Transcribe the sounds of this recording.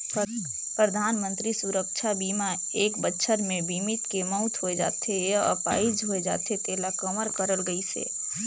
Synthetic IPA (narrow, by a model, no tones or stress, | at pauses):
pɾəd̪ʱaːnmə̃nt̪ɾisuɾəkʃʰabiːma | eːkbətːʃʰəɾmẽbimɪt̪kemɔʊt̪ʰɦoed͡ʒa̰ːt̪ejaə̰pa̰ːid͡ʒɦoed͡ʒa̰ːt̪ʰet̪eːlakəməɾkəɾəlɡəisḛː